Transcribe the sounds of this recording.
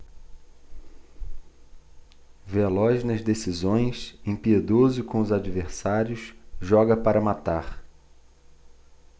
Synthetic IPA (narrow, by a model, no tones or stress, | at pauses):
velɔʒnɐzd̪esizõj̃sẽpied̪ozʊkõʊzad͡ʒiveɾsaɾjʊsʒɔɡɐpaɾɐmat̪aχ